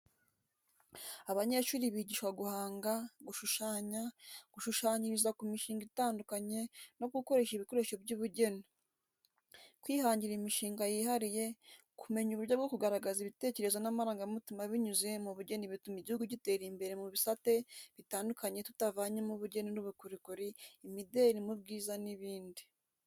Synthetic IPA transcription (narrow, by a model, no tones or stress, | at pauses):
aβaɲe̞ʃuːɾiβiɟiːʃwaɡuhaːŋɡaɡuʃuʃaːɲaɡ̥uʃuʃaːɲiɾizakumiʃiːŋɡitaːndukaɲe̞no̞ɡuko̞ɾe̞ʃiβiko̞ɾeʃobɟuβuɟe̞ni | kwiːhaːɲɟiɾimiʃiːŋɡajihaɾije̞ | kume̞ɲuβuɾɟabɡo̞kuɡaɾaɡaziβite̞ːce̞ɾe̞zwanamaɾaːŋɡamutimaβiɲuze̞muβuɟe̞niβitumiɟihuɡuɟite̞ːɾimbe̞ɾemuβisate̞βitaːndukaɲe̞tu̥tavaːɲemuβuɟe̞ninuβukuɾikuɾiːmideɾimub̚ɡiːzaniβiːndi̥